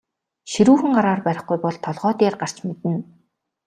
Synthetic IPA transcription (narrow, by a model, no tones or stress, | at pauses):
ʃiɾuːxɘ̆ŋɢaɾaːrpæɾʲɪ̆χɡujpɔɮt̪ʰɔɮʁœːt̪eːrɢar̥t͡ɕmet̪ɘ̆n